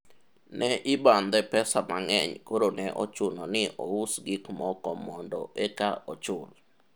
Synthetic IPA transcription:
nɛʔɪband̪ɛpɛsamaŋɛɲkoɾonɛʔot͡ʃʊnonɪʔousɡɪkmɔkɔmɔndɔ̰ʔekaʔot͡ʃʊl

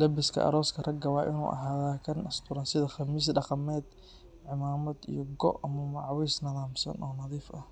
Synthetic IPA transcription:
lɐbɪskʰɐ̰ʔɐ̰ɾɔːskʰɐrɐɡɐwɑːʔɪnṵːʔɐ̰ɦaːðaːkʰɐnʔɐst̪ʰʊɾɐnsɪðɐxɐmiːs̬ɖɑqɑmɛːd̪ | ʕɪmaːmɐd̪ḭjɔɡɔ̰ʔɐmɐmɑʕwiːsnɐðaːmsɐ̰nʔɔːnɐðiːfʔɐh

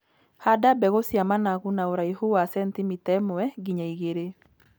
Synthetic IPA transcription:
hadabɛɣosjamanaɣunaoɾaihuwasɛntimitɛmʊɛɡiɲaiɣeɾe

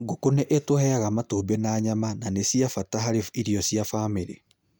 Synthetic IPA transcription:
ɡokonɛʔetwohɛaɣamatubɛnaɲamananesiafataɦaɾeiɾiɔsiafameɾe

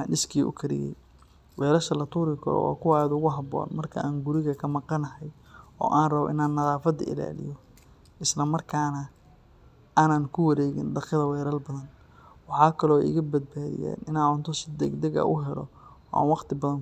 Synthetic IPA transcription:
anʔɪskʰiːʔʊ̰kʰɐɾɪ̰ɣɛ̰j | wɛːɾɐʃɐlɐt̪ʰuːɾɪkʰʊ̰ɾɔ̰wa̰ːkʰʊwaːðʊɣʊɦɐβɔ̰ːnmɐrkʰɐ̰ʔaːŋɡʊɾɪɣɐkʰɐmɑqɑnɐɦɛj | ɔ̰ːʔaːnrɐβɔ̰ʔɪnaːnːɐðaːfɐd̪ɐ̰ɪ̰la̰ːlɪ̰jɔ | ʔɪslɐmɐrkʰaːnɐ | ʔaːnaːnkʰʊwɐɾɛːɣɪnɖɑqɪðɐwɛːɾɐlbɐðɐn | wɑħɑːkʰɐlɔːɛ̰ɪ̰ɣɐbɐd̪̚baːðɪ̰ja̰ːnʔɪnaːʕʊnt̪ʰɔsɪd̪ɛɡd̪ɐɣɐ̰ʔʊɦɛlɔ̰ | ɔːa̰ːnwɑqt̪ʰɪbɐðɐn

